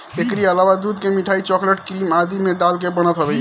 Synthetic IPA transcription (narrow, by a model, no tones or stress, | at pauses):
ekɾiəlawad̪ud̪kemiʈʰait͡ʃɔkləʈkɾimad̪imeɖalkebəñət̪ɦəbɛ